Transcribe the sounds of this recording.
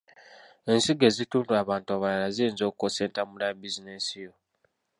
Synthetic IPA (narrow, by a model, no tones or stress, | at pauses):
ensiɡezituːnduaβaːntaβalalaziinzokukoseːntamuɾabizinesijo